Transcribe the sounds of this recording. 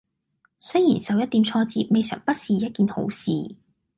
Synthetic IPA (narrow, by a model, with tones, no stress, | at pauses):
sɵ˥ɥjiː˨˩nsɐ˨wjɐ˥t̪̚iː˨˥mt͡ʃʰɔː˧t͡siː˧p̚me˨˧jsœ̰ː˨˩ŋpɐ˥t̚siː˨jɐ˥t̚kiː˨nho̰˨˥wsḭː˨